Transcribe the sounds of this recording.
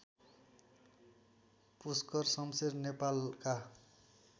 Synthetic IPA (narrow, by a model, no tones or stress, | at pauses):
puskʌrsʌmsernepalka